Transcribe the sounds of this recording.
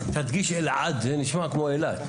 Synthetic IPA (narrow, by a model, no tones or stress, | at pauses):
t̪ad̪ɡiʃelʕad̪zeniʃmakmoelad̪